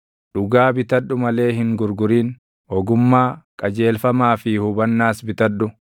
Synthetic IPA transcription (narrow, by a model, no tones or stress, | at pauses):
ᶑʊɡaːbɪt̪ɐᶑːʊmɐle̞ːhɪŋɡʊɾɡʊɾiːn | ɔɡʊmːaːkʼɐd͡ʒe̞ːlfɐmaːfɪhʊbɐnːaːsbɪt̪ɐᶑʊ